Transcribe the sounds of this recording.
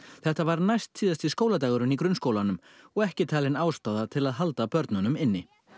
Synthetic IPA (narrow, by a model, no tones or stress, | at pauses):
θɛht̪avaɾnajst̪ʰːiːðast̪ɪskoːwlat̪aːɣʏɾʏnikɾʏnskoːwlanʏm | ɔɣɛhcɪt̪ʰaːlɪnaːwst̪aːðat̪ʰɪlaðɦalt̪apœɾt̪nanʏmɪnːɪ